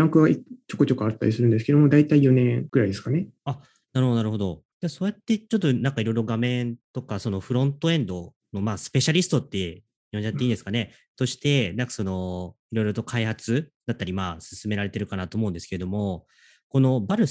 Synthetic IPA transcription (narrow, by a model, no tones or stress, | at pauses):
ãŋkɯβait͡ɕokot͡ɕo̞koat̪ːa̰ɾʲisɨɾɯ̟nd̪esɨ̥ke̞d̪omo̞d̪ait̪aijo̞nẽ̞ɡ̥ɯɾaid̪esɨ̥kanea | naɾɯhod̪aɾɯ̟ho̞d̪o̞ | d͡ʑaso̞ːjat̪ːe̞t͡ɕo̞t̪ːonãŋkaiɾo̞jɾo̞ɡamẽ̞nt̪o̞kaso̞no̞ɸɯ̟ɾõ̞nt̪o̞ẽ̞nd̪o̞ | no̞maːsɨ̥pe̞ɕaɾʲisɨ̥t̪o̞t̪ːe̞ | ijoɲd͡ʑat̪ːeiːnd̪esɨ̥kane̞ | t̪o̞ɕi̥t̪e̞nãŋkḁso̞no̞iɾo̞iɾo̞t̪o̞kʰaihat͡sɨd̪̥at̪ːaɾʲimaːsɨ̥sɨme̞ɾaɾe̞t̪e̞ɾɯ̟kanat̪oːmo̞ɯ̟nd̪eɨ̥keed̪o̞mo̞ | ko̞no̞baɾɯ̟